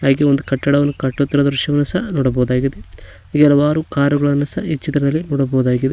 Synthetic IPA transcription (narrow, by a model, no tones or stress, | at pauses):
aːɡeond̪ukɐʈːɐɽɐʋɐnːukɐʈːot̪ːiɾɐd̪ɾuʃjɐʋɐnːɐsɐnɔːɽɐbɔːud̪aːɡid̪e | iɡɛlɐʋaːɾukaːɾuɡɐɭɐnːɐsɐʔit͡ʃːit̪ɾɐd̪ɐlːinɔːɽɐbɔːd̪aːɡid̪e